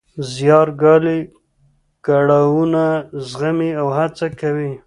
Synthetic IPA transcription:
zjɑɾɡɑli | kaɽawunazɣamiawhat͡sakawi

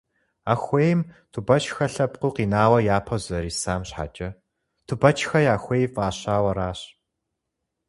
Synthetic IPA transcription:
axʷeːjmtʰubɐt͡ʃʰxɐɬɐpqʊːqiːnaːwɐjaːpʰɐzɐɾiːsaːmɕħa̰t͡ʃʼɐ | tʰubɐt͡ʃʰxɐjaːxʷeːjvaːɕaːwɐɾaːɕ

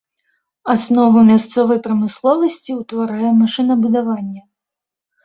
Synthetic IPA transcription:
asnɔvumʲast̪sɔvɐjpɾɐmɨslˠɔvɐsʲt͡sʲiwt̪vaɾajɛmaʂɨnɐbud̪avanʲːɐ

